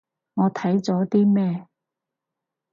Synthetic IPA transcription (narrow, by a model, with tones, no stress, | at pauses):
ŋɔː˨˧t̪ʰɐ˨˥jt͡sɔː˨˥t̪iː˥mɛː˥˩